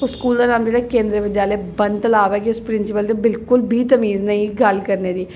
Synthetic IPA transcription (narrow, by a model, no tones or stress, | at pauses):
ʊskuːld̪aːnaːmd͡ʒeːɽaːkẽːnd̪ɾəʋɪd̪jaːləebə̃nt̪əlaːʋɛːkiʊspɾɪnsɪpəld̪ebɪlkʊlbʱiːt̪əmiːznəĩɡəlkəɾneːd̪iː